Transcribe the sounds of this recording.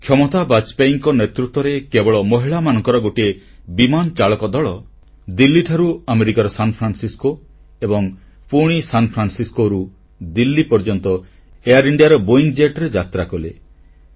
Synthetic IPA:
kʰjɔmɔt̪abat͡ʃpajŋkɔnet̪ɾut̪ːwɔɾekebɔɭɔmɔɦiɭamanɔŋkɔɾɔɡoʈie | bimant͡ʃaɭɔkɔd̪ɔɭɔ | d̪ilːiʈʰaɾuameɾikaɾɔsanpʰɾansisko | ebɔŋ | puɽ̃isanpʰɾansiskoɾu | d̪ilːipɔɾd͡ʒɔnt̪ɔ | ejaɾiɳɖijaɾɔboiŋɡd͡ʒeʈɔɾed͡ʒat̪ɾakɔle

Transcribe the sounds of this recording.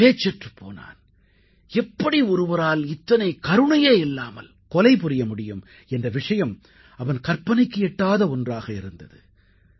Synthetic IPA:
peːt͡ʃːɛʈrɯpʰːo̰ːna̰ːn | ɛpːɐɽiɔɾɯʋɐɾaːlɪt̪ːɐnɐɪkɐɾɯɳɐjeːɪlːaːmɐ̰l | kɔlɐɪpʊɾɪjɐmʊɽɪjɯm | ɛndrɐʋɪʂɐjɐm | ɐʋɐnkɐrpɐnɐɪkːɯɛʈːaːðɐɔndraːɣɐɪɾɯnd̪ɐðɯ

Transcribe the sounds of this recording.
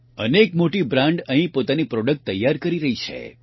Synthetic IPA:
ənekmoʈibɾãɳɖəɦĩpot̪anipɾɔɖək̚ʈ̚t̪əjːaɾkəɾiɾəɦit͡ʃʰḛ

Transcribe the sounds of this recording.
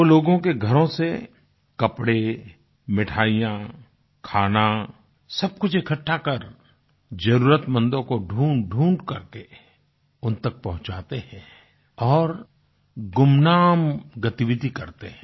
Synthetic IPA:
oloːɡõkeɡʱɐɾõse | kɐpɽe | mɪʈʰaːijã | kʰaːna | sɐb̚kʊt͡ʃʰekʰəʈʰːakɐɾ | d͡ʒɐɾuːɾət̪mə̃nd̪õkoɖʱuːɖʱũːɳɖkɐɾke | ʊnt̪ək̚pɐɦʊ̃t͡ʃaːt̪eɦɛ̃ | ɔːɾ | ɡʊmnaːmɡɐt̪iwɪd̪ikɐɾt̪eɦɛ̃

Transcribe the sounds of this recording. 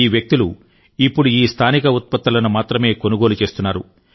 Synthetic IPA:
iːʋjɐk̚t̪ilu | ipːuɽuiːst̪ʰaːnikɐut̪̚pɐt̪ːɐlɐnumaːt̪ɾɐme̞ːko̞nuɡo̞ːlut͡ʃe̞ːst̪unːaːɾṵ

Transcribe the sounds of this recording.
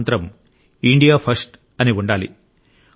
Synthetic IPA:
nt̪ɾɐm | iɳɖijaːpʰɐɾsʈ | ɐniuɳɖaːlḭ

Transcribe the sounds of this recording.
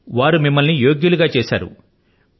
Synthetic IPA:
ʋaːɾumimːɐlnijo̞ːɡjuluɡaːt͡ʃeːʃa̰ːɾṵ

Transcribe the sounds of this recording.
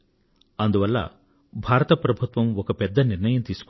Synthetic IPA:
ɐnd̪uʋɐlːɐ̰ | bʱaːɾɐt̪ɐpɾɐbʱut̪ʋɐmɔkɐpɛd̪ːɐniɾnɐjɐmt̪iːsu̥k

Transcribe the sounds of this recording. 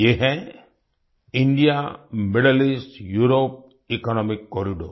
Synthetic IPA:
jeɦɛ | iɳɖijameɽelisʈjuɾop̚ | ikɔnɔmikːoɾiɖo̰

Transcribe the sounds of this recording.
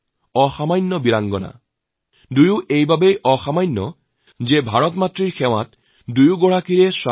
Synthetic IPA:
ɔxamajnːɔbilaŋɡɔna̰ | dujuʔejbabejɔxamajnːɔ | zebʱaɹɔtmatɹiɹxʰɛw̃a̰t | dujuɡɔɹakiɹɛswa

